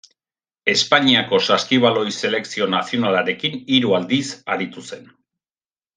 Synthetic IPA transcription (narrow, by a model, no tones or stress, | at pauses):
e̞spaɲiako̞saskiβ̞alo̞jse̞le̞ksio̞nasio̞nalaɾe̞kiniɾuald̪isaɾit̪use̞n